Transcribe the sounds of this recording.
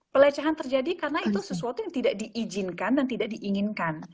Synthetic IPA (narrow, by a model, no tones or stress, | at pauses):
pəlat͡ʃaɦant̪ərd͡ʒadikarənait̪usəsuat̪ujaŋt̪idaʔdiʔːd͡ʒɪnkandant̪idaʔ̚diʔiŋɪnkan